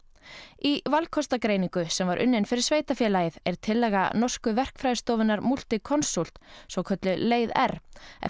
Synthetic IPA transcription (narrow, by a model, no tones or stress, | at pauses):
ivalkʰɔst̪akɾeːjniŋkʏsɛmvaɾʔʏ̰nːɪnfɪɾɪɾ̥sveːjt̪afjɛːlajɪðɛɾ̥t̪ʰɪlːɛːɣa̰nɔr̥kʏvɛr̥kfɾajðst̪ɔːvɪnːaɾmul̥t̪ɪkʰɔnsul̥t̪svɔkʰœt̪lʏleːjðɛ̰ɾ̥ɛ̰